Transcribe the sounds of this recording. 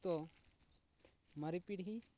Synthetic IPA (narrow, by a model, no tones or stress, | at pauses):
t̪ɔ | mɐɾipiɽɦi